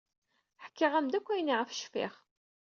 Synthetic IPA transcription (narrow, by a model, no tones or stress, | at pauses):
ħkːiʁæmd̪ækʷːæjniʁəfʃfḭχ